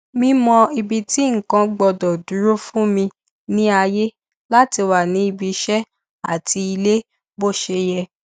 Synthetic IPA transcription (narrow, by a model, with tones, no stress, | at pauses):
mĩ˧mɔ̃˧i˧bi˧ti˦ŋ̩˨kã˧ɡ͡bɔ˧dɔ˨du˨˦ɾo˦fũ˦mĩ˧ | nĩ˦a˧je˦ | la˦ti˧wa˨nĩ˨˦i˧bi˧ʃɛ˦ | a̰˦˨ti˧i˧le˦ | bo˦˨ʃe˧jɛ˧